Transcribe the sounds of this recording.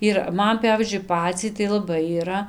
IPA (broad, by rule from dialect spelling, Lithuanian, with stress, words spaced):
ɪr ˈmɐn ˈpʲæʋʲiːzʲd͡ʒʲʊɪ ˈpɑːt͡sʲɛɪ tɐɪ lˠɐˈbɐɪ iːˈrɐ